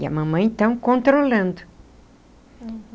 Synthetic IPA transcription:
iɐ̰mɐ̃mɐ̃ẽt̪ɐ̃w̃kõnt̪ɾolɐ̃nd̪ʊ

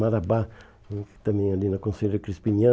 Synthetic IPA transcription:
maɾabḁ̃ | t̪ãmẽj̃alinakõnseɾekɾispiɲã

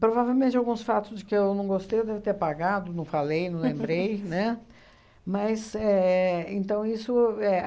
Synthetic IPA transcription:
pɾovavewmẽnt͡ʃɪawɡũsfat̪ʊzd͡ʒɪkɪewnɐ̃w̃ɡost̪ejewd̪ɛvɪt̪eɾpaɡad̪ʊnɐ̃w̃falejnɐ̃w̃l̃lẽmbɾejnɛ | mɐsɛẽnt̪ɐ̃w̃isʊɛ

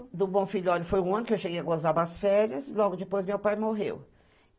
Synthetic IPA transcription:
d̪ʊbõfiʎʊɔlʊfojũɐ̃nʊkɪewʃeɡejɐɡozabasfɛɾjɐslɔɡʊd͡ʒɪpojzmewpajmoɦḛw

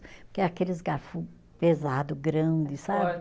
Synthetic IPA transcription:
pʊɾkeakelɪzɡaɾfu | pezad̪ʊɡɾɐ̃d̪ɪsabɪ

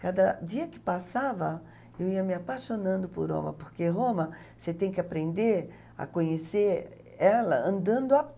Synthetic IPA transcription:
kad̪ɐd͡ʒ̪iɐkɪ̥pasavɐ | ewiɐmɪapaʃonɐ̃nd̪ʊpo̰ɾõ̰mɐ̰poɾkeɦõmɐ | set̪ẽj̃kɪapɾẽnd̪eɾ | a̰kõɲeseɾ | ɛlɐɐ̃nd̪ɐ̃nd̪ʊa

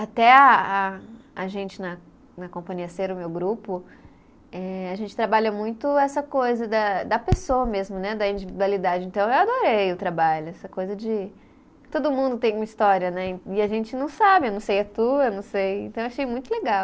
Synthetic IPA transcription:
at̪ɛaaːʒẽnt͡ʃɪnɐ | nɐkõmpɐ̃ɲiɐseɾɐʊmewɡɾupʊ | ɛaʒẽnt͡ʃɪ̥t̪ɾabaʎɐmũj̃t̪ʊɛsɐkojzɐd̪ɐd̪ɐpesoɐmezmʊnɛd̪ɐĩnd͡ʒivid̪ualid̪ad͡ʒɪẽnt̪ɐ̃w̃ewad̪oɾejʊt̪ɾabaʎʊɛsɐkojzɐd͡ʒɪ | t̪od̪ʊmũnd̪ʊt̪ẽj̃ũmɐist̪ɔɾiɐnɛ̃ɪaʒẽnt͡ʃɪnɐ̃w̃sabɪewnɐ̃w̃sejɐt̪uewnɐ̃w̃sejẽnt̪ɐ̃w̃aʃejmũj̃t̪ʊleɡaw

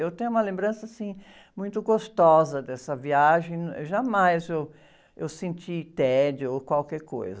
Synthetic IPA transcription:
ewt̪ẽj̃ũmɐlẽmbɾɐ̃sɐasĩ | mũj̃t̪ʊɡost̪ɔzɐd̪ɛsɐviaʒẽj̃ʒamajzew | ewsẽnt͡ʃit̪ɛd͡ʒɪokwawkɛɾko̰jzɐ

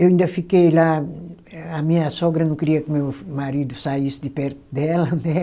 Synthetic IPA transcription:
ewĩnd̪ɐfikejla | ɐmĩɲɐsoɡɾɐnɐ̃w̃kiɾiɐkumewmaɾid̪usajisd̪ɪpɛɾt̪ud̪ɛlɐnɛ

